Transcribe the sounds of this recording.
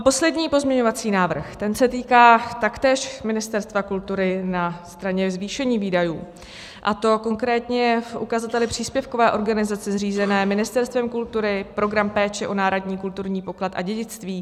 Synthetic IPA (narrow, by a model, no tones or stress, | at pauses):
po̞slɛdɲiːpo̞zmɲɛɲo̞vat͡siːnaːvr̩xt̪ɛnsɛt̪iːkaːt̪akt̪ɛːʃmɪnɪst̪ɛɾst̪vakult̪uɾɪnast̪ɾaɲɛzviːʃɛɲiːviːdajuː | ʔat̪o̞ko̞ŋkɾɛːt̪ɲɛfʔukazat̪ɛlɪpr̝̥iːspjɛfkovɛːʔo̞ɾɡanɪzat͡sɛzriːzɛnɛːmɪnɪst̪ɛɾst̪vɛmkult̪uɾɪpɾo̞ɡɾampɛːt͡ʃɛʔonaːɾodɲiːkult̪uɾɲiːpo̞klat̪ʔa̰ɟɛɟɪt͡st̪viː